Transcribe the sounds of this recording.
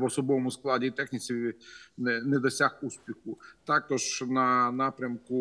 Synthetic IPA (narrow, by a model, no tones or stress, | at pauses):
ʋɔsɔbɔʋɔmʊsklˠɑdʲit̪ɛxnʲit͡sʲinɛnɛd̪ɔsʲaxuspʲixʊt̪ɑkɔʒnɐnɑpɾʲɐmkʊ